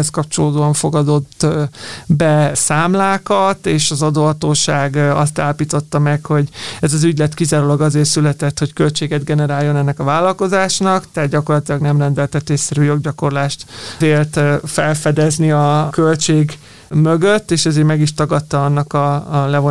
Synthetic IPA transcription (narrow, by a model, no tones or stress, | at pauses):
ɛskɒpt͡ʃo̞loːd̪oːɒɱfo̞ɡɒd̪o̞t̪ː | bɛsaːmlaːkɒt̪eːʃɒzɒd̪oːɒt̪oːʃaːɡɒ̰st̪aːlɒpiːt̪o̞t̪ːɒmɛkho̞ɟɛzɒzyɟlɛt̪kizaːɾolɒɡɒzeːrsylɛt̪ɛt̪ho̞ckø̞lt͡ʃeːɡɛd̪ɡɛnɛɾaːjːo̞nɛnːɛkɒvaːlːɒlko̞zaːʃnɒkt̪ɛɦad̪ɟɒko̞rlɒt̪ilɒɡnɛmrɛnd̪ɛlt̪ɛt̪ːeːsːɛɾyːjo̞ɡɟɒko̞rlaːʃt̪eːrt̪fɛlfɛd̪ɛzniɒkølt͡ʃeːɡ | møɡøt̪ːeːʃɛzeːɾmɛɡiʃt̪ɒɡɒt̪ːɒɒnːɒkɒlɛvo